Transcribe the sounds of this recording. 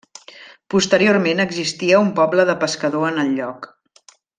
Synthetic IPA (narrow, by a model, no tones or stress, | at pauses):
pust̪əɾiormenəɡzist̪iəumpɔbləðəpəskəðoənəlʎɔk